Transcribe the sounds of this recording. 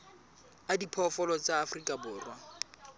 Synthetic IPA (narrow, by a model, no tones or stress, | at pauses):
adipʰɔfɔlɔt͡sʼaːfrikʼabʊːrwa